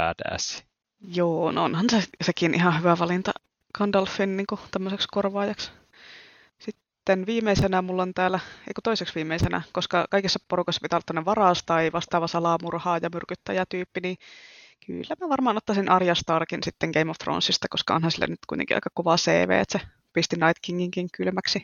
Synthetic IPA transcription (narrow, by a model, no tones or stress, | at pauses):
æ̰ːt̪æ̰ːsi̥ | joːnoonhɑnsesekinʔihɑhyʋæʋɑlint̪ɑ̰ | kɑndɑlfinniːŋkut̪æmːøsekskorʋɑːjɑks | sit̪ːenʋiːmeisenæmulːont̪æːlæḛikut̪oiseksʋiːmeisenæ̰koskɑkɑikisːɑporukɑsːɑpit̪æolːt̪ːæməneʋʋɑrɑˑst̪ɑiʋɑst̪ɑːʋɑsɑlɑmurhɑːjɑmyrkyt̪ːæjæt̪yːpːiniː | ky̰lːæmiæʋɑrmɑːnot̪ːɑsinʔɑrjɑst̪ɑːrkinsit̪ːeŋɡ̥eimoft̪ro̰nsːist̪ɑkoskɑo̰nhɑnsilːæ̰nyt̪kṵit̪ḛkiʔɑ̰ikɑkoʋɑsḛːʋḛːḛt̪se | pist̪inɑit̪kiŋːiŋkiŋkylmæksi